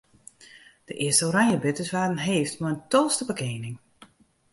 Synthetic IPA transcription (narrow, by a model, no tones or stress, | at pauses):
d̥əʔɪəstəoɾajəbɪtəsʋaːdən̩ɦeːftmaəntɔlˠstəbəkeːnɪŋ